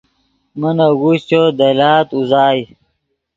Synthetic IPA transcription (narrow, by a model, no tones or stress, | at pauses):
mɐnɐɡuɕt͡ɕod̪ɐlaːt̪uzaːj